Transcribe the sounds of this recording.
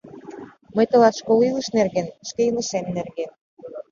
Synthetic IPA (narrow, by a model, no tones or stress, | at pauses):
mɤjt̪ɤ̆lɑʃkolilə̆ʃnerɣenʃkejənə̆ʃemnerɣen